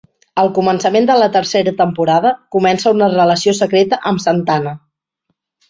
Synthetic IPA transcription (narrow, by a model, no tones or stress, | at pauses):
əlˠkumənsəmend̪ələt̪əɾseɾət̪əmpuɾað̞əkumɛnsəunərələsiosəkɾet̪əʔəmsənt̪anə